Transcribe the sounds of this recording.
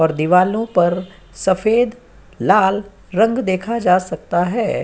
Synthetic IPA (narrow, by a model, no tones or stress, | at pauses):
ɔːɾd̪iʋaːlõpɐɾ | sɐfʰeːd̪ | laːl | ɾɐ̃ŋɡd̪eːkʰad͡ʒaːsɐk̚t̪aɦɛː